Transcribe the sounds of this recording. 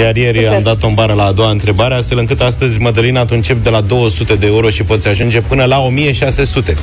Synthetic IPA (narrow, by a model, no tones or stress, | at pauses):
jarje̞rʲamd̪at̪o̞mbaɾəlaːd̪o̞waɨnt̪ɾe̞baɾe̞ast̪fe̞lɨŋkɨt̪ast̪əzʲməd̪əlinat̪unt͡ʃep̚d̪e̞lad̪o̞wəsut̪e̞d̪e̞uɾo̞ʃipo̞t̪sʲaʒund͡ʒe̞pɨnəlao̞mije̞ʃase̞sut̪e̞